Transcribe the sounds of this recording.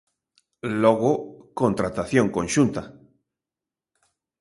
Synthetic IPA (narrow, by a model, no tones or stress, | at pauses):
loɣokõnt̪ɾat̪aθjõŋkõnʃunt̪a